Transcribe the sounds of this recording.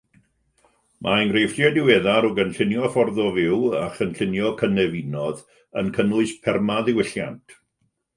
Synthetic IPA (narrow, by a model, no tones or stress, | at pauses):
mʔaəŋɡrejfr̥jɛdɪwɛðaɾɔɡənɬɪnjɔfɔrðɔvɪwaχənɬɪnjɔkʰənɛvinɔð | ənkʰənlʊɨspʰɛrmaðɪwɪɬja̰ntʰ